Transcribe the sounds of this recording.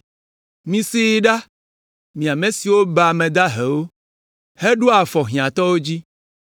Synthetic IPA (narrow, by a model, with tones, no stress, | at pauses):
mĩ˨si˦ɖa˦ | mĩ˨a˨mẽ˨si˨wo˦ba˨mẽ˨d̪a˦ɦe˨wo˦ | he˦ɖu˦a˨fɔ˨ɦĩ˨ã˨t̪ɔ˦wo˦d͡ʑi˦